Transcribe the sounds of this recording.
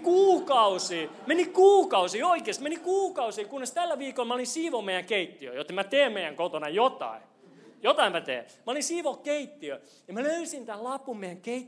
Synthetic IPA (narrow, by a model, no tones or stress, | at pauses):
kuːkɑusiːmenikuːkɑusiːoikeːst̪menikuːkɑusiːkunːest̪ælːæʋiːkolmæolinsiːʋommeijæŋkeit̪ːiø̰jot̪ːemæt̪eːmmeijæŋkot̪onɑjot̪ɑ̰i | jot̪ɑimæt̪ḛːmæolinsiːʋokkeit̪ːiø | jɑmæløysint̪ællɑpːummeijæŋkeit̪ː